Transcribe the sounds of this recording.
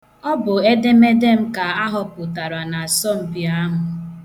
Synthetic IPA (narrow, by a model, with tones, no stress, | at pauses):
ɔ˦bʊ˨e˦de˦me˦de˦m̩˦ka˨a˦ɦɔ˨pʊ˨ta˨ɾa˨na˨a˨sɔ˦m̩˨bi˨a˦ɦʊ˨